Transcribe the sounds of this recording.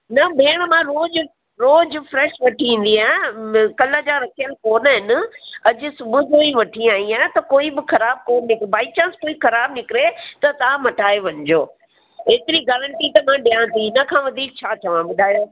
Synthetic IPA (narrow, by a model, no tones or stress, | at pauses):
nɐbeːɽ̃mãɾoːd͡ʑʊ | ɾoːd͡ʑʊfɾɛːʃʋɐʈʰiĩːn̆d̪iãkɐləd͡ʑaːɾɐkʰijəlkoːnɦɪnɪ̆ɐd͡ʑʊ̆sʊbʱʊd͡ʑoːiʋɐʈʰiaːĩãːt̪ɐkoːibɪxɐɾaːb̚koːnnɪkɾebaːɪt͡ɕãːnskoːixɐɾaːbnɪkɪɾet̪ɐt̪aːmɐʈaːeʋɐ̃ɲd͡ʑoː | ɦeːt̪ɪɾiɡaːɾəɳʈit̪ɐmãːɗiãːt̪ʰinɐkʰãːʋɐd̪ʱiːk̚t͡ɕʰaːt̪ʰɐʋãbɐɗaːjoː